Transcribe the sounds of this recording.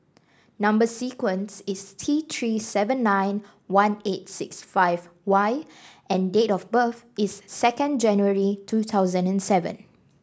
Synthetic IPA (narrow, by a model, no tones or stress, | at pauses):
nãmbəsikwə̃nsɪstʰit̪ʰɹisɛvə̃nːãɪ̃n | wãnet̚sɪksfaɪvwaɪ | ʔɛ̃ndetɔfbəf | ɪsːɛkə̃nd͡ʒɛ̃njuəɹitʰut̪ʰaʊzə̃nɛ̃nsɛvə̰̃n